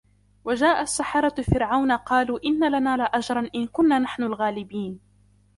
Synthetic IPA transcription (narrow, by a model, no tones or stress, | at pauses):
wad͡ʒaːʔasːaħɑɾˤɑfɪɾʕawnaqɑːluːʔɪnːalanaːlaʔad͡ʒɾˤɑnʔɪnkʊnːaːnaħnʊlɣaːlɪbiːn